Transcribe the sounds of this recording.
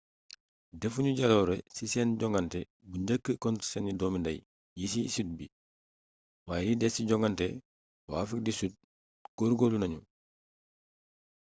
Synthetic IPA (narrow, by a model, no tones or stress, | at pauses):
defuɲuɟaloːɾɛsisɛːnɟɔŋɡantɛ | buɲɟəkːəkɔntsɛnudɔːmindɐj | jisisut̚bi | waːjɛdidɛsiɟɔŋɡantɛ | waːfik̚disut̚ | koːɾɡoːlunɐɲu